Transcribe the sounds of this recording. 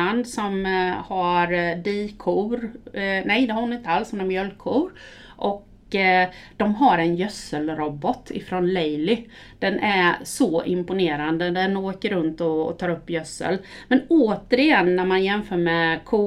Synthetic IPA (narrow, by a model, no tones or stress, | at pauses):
and̪sɔmhaɾd̪iːkʰuɾnɛjd̪ɛhaɾʊnɪnt̪əalshʊnamjœlkʰːuːɾ | ʔɔk | d̪̥ɔmɦaɾɛnjœsəlɾɔbːɔt̪ʰːɪ̰fɾɔnlɛjlɪ | d̪̥ɛnʔæsɔʔɪ̰mpʊneːɾand̪əd̪ɛɛnoːkəɾɵnt̪ɔt̪ʰɑːɾɵpːjœsːə̰l | mɛnoːt̪əɾɪjɛnːæɾmanjɛmfœːɾmɛkʰu